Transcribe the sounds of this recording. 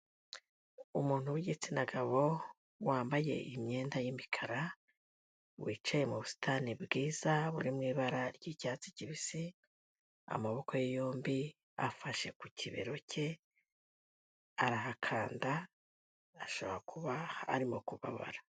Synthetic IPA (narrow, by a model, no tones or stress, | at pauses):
umuːn̥uβuɟit͡sinaɡaβo̞ | waːmbaje̞̰imɲe̞ːndajimikʰaɾa | βwʔiːt͡ʃajemuβusi̥tʰanibɡiːz̥aβuɾimŋiːβaɾaɾɟicaːt͡siciβisi | a̰maβo̞ko̞jejoːmbi | a̰faʃe̞kucʰiβḛɾo̞cʰe̞ | aɾaɦakʰaːndaː | ʃo̞βoɾakʰuβaha̰ːɾimokuβa̰βa̰ɾa